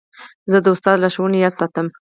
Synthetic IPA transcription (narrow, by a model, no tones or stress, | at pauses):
zəd̪əʊst̪ɑd̪laʃowənejɑd̪sɑt̪əm